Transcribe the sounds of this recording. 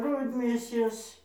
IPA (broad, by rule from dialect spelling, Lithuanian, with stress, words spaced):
ˈrʊdʲmʲeːsʲeːs